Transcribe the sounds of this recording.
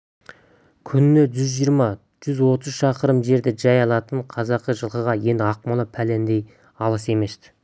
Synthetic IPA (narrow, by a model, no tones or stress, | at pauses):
kʲʰʏnɪne̞ʒʏzʒijəɾmɑ | ʒ̥ʏzwo̞t̪əzʃɑqəɾəmʒe̞ɾd̪ɪʒɑjɑlˠɑt̪əɴqʰɑzɑqːəʒəlˠqəʁɑje̞nd̪ɪɑq̚mɑlˠəpʰæle̞nd̪e̞j | ɑlˠəse̞me̞st̪ɪ̥